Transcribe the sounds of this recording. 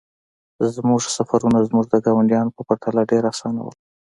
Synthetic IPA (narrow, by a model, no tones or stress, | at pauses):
zmuʐsafaɾunazmuʐd̪əɡɑwaɳɖjɑnopəpaɾt̪alaɖeɾasɑna̰wə̰l